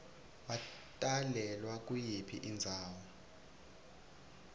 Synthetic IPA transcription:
watʼalɛlwak̬ʼujipʰḭʔind͡zʱaːwɔ

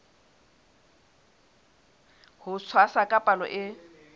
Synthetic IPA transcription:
hʊsʰwasakʼapʼalɔ̰ʔɪ

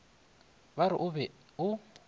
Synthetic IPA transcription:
βaɾɪ̰ʔʊβɛ | ʊ

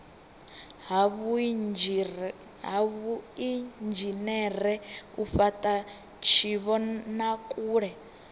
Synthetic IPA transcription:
βu | ɦaβuind͡ʒinɛɾɛufatʼa | t͡ʃʰiβɔnakʼuːɺɛ

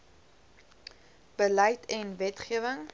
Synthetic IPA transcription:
b̥əlɐjtʰɛnvɛtχiəvəŋ

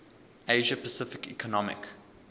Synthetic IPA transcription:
eɪʒəpəsɪfɪkḭkʰɔnɔmɪ̰k

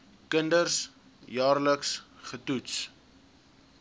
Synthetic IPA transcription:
kəndərs | jɑːrləksχətuts

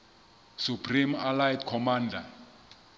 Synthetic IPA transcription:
supʰrimalajɛtkʰɔmaːndʱa

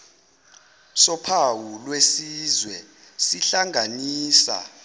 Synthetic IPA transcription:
sɔpʰawulwesiːzwɛsiɬaŋʱaniːsa̰

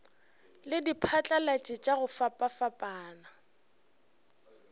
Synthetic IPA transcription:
lɪdipʰat͡ɬʼalat͡ʃʼɪt͡ʃʼaɣʊfapʼafapʼaːna

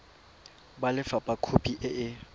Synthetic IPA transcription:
balɪfapʼakʰopʼiʔɪʔɪ

